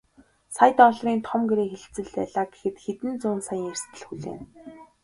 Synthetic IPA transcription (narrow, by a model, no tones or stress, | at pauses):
sajt̪ɔɮriːnt̪ʰɔmɡeɾeːxeɮt͡sɘ̆ɮt̪æɮaːɡe̥xɘ̆t̪xet̪ɘ̆nt͡sʊːnsaj̆ŋerst̪ɘ̆ɮxuɮḛːn